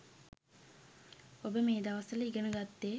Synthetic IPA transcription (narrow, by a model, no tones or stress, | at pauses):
obəmeːd̪aʋɐsɐliɡɐɳɐɡat̪ːe